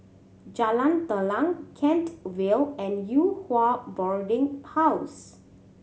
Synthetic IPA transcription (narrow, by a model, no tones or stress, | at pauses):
d͡ʒalãnt̪əlãŋkʰɛ̃ntwelɛ̃njuhwabɔɹdĩŋhaws